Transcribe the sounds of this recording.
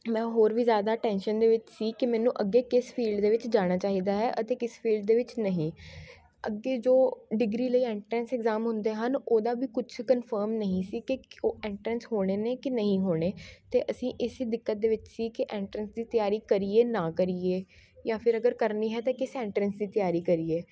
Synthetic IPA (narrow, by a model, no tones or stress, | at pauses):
mɛ̃ːɦoːɾʋiːzjaːd̪aːʈɛːnʃənd̪eːʋɪt͡ʃsiːkɪmɛ̃ːnũːʔəɡːeːkɪspʰiːlɖd̪eːʋɪt͡ʃd͡ʒaːɽ̃aːt͡ʃaːɦiːd̪aːɦɛːʔət̪eːkɪspʰiːlɖ̚d̪eːʋɪt͡ʃnəɦĩː | ə̰ɡːeːd͡ʒoːɖɪɡɾiːləiːɛːɳʈɾɛnsɛkzaːmɦʊnd̪eːɦənoːd̪aːʋiːkʊt͡ʃʰkənfʰəːɾmnəɦĩːsiːkɪoːɛːɳʈɾənsɦoːɽ̃eːneːkɪnəɦĩːɦoːɽ̃eːt̪eːʔəsĩːʔɪsiːd̪ɪkːət̪̚d̪eːʋɪt͡ʃsiːkɪʔɛ̃ːɳʈɾənsd̪iːt̪ɪjaːɾiːkəɾiːeːnãːkəɾiːeː | jãːpʰɪɾəɡəɾkəɾniːɦɛːt̪aːkɪsɛ̃ːɳʈɾənsd̪iːt̪ɪjaːɾiːkəɾiːeː